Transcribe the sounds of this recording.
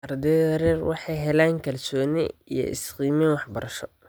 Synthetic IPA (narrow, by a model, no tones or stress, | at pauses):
ʔɐrd̪ɛjðɾɛːrwɑħɑjɦɛlaːŋkʰɐlsɔːnɪḭjɔ̰ʔɪ̰sqiːmɪnwɑħbɐɾɐʃɔ